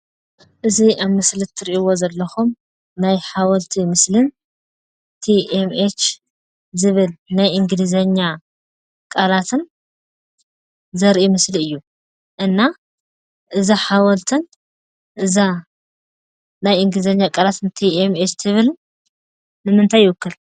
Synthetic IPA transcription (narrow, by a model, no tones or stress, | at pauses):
ʔɨziʔaβmɨslɨt̪ʰːɨɾiʔiwozɐlːɐxum | najħawɐlt̪ʰimɨslɨn | t̪ʰiʔemet͡ʃ | zɨβɨlnajʔɨŋɡɨlizɐɲːa | kʼalat̪ʰɨn | zɐɾʔimɨsliɨjːu | ʔɨnːa | ʔɨzaħawɐlt̪ʰɨn | ʔɨza | najɨŋɡɨlizɐɲːakʼalat̪ʰɨnt̪ʰiemet͡ʃt̪ʰɨβɨl | nɨmɨnt̪ʰajːwʊkːɨl